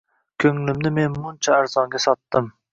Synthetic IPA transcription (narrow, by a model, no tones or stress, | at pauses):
kʲʰøŋlɪmnɪmenmunt͡ʃʰɛæɾzɑŋɡʲɛsɑt̪ːɨm